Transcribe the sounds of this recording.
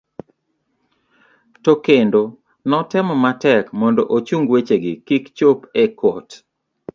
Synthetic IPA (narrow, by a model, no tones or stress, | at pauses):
tokendo | nɔtɪmɔmatɛkmɔndɔʔot͡ʃuŋɡwet͡ʃeɡɪkikt͡ʃopekot